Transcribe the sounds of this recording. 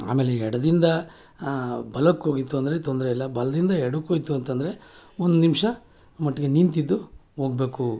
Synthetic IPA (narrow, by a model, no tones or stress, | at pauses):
a̰ːmeːleɛɽɐd̪ind̪ɐ | bɐlɐkːo̞ːɡit̪ːuɐnd̪ɐɾet̪ond̪ɾɐilːɐbɐlɐd̪ind̪ɐɛɽɐkːoɡit̪ːuɐnt̪ɐnd̪ɐɾe̞ond̪unimʂɐ | mɐʈːɐɡe̞nint̪id̪ːuɦo̞ːɡbe̞ːku